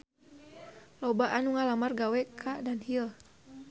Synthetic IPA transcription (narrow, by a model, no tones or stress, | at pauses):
lɔbaʔanuŋalamarɡawɛkʰadanhil